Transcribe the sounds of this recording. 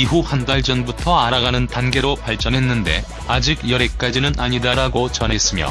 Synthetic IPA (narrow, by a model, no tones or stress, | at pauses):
iɦuhandaɭd͡ʑʌnbutʰʌaɾaɡanɯntanɡe̞ɾopaɭt͡ɕ͈ʌnɦe̞nːɯnde̞̰ | ad͡ʑiɡjʌɾe̞k͈ad͡ʑinɯnaɲidaɾaɡot͡ɕʌnɦe̞s͈ɯmjo̰